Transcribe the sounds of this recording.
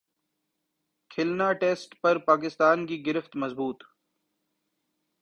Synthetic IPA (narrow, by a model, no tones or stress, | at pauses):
kʰɪlnaːʈeːsʈpɐɾpaːk̬ɪst̪aːnkiːɡɪɾɪft̪mɐzbuːt̪